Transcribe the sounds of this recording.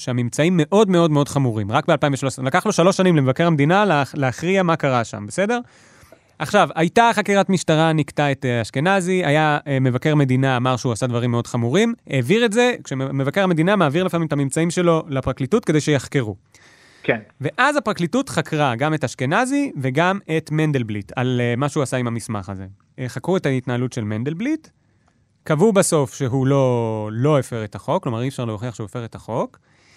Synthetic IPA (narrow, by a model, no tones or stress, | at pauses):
ʃeamimt͡saimːe̞ʔo̞dmeo̞dmeo̞dχamuʁimʁak̚bealpaĩɱveʃalo̞selakaχloʃalo̞ʃanimlemevake̞ʁamed̪inalleaχʁiamakaʁaʃa̰mbese̞de̞ʁ | ʔaχʃavajtaχakiʁatmiʃtaʁaniktaetaʃkenaziajamevake̞ʁame̞d̪inaːmaʁʃeuasadvaʁimːeo̞dχamuʁime̞ːviʁetze̞kʃeme̞vake̞ʁame̞d̪inamaːviʁlefamimetamimt͡saimʃe̞lo̞lapʁaklitutke̞d̪ejʃejaχke̞ʁu | kenve̞ʔazapʁaklitutχakʁaɡamethaʃkenazive̞ɡame̞tmendelblitʰa̰lmaʃeuasaimhamisma̰χaze̞ | χakʁuetaitnaːlutʃe̞lmend̪elblit | kavubaso̞fʃeɦulo̞lo̞efeʁethaχo̞kːlo̞maʁiefʃaʁleoχiaχʃeuefeʁethaχo̞k